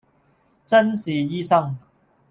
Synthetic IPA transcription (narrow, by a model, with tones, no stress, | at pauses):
t͡sɐ˥nsiː˨˩jiː˥sɐ˥ŋ